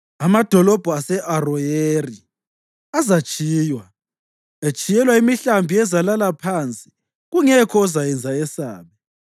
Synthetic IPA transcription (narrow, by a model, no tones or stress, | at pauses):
amad̥ʱɔlɔb̥ʱuasɛʔarɔjeri | azat͡ʃʼiːjwa | et͡ʃʼijɛlwaimiɬambʱiɛzalalapʰant͡sʼi̥ | ɣuŋɛkʰɔːzajɛnd͡zʱaɛsa̰ːβɛ